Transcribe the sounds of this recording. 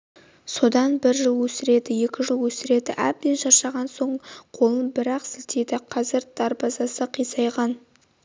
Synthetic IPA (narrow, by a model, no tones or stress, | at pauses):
so̞d̪ɑnbɪɾʒəlˠwɵsɪɾe̞d̪ɪje̞kʲɪʒəlˠwɵsɪɾe̞d̪ɪʔæb̚d̪enʃɑɾʃɑʁɑnso̞ɴqʰo̞lˠənbɪɾɑqsɪlt̪e̞d̪ɪqʰɑzɪɾd̪̥ɑɾbɑzɑsəqʰijsɑjʁɑn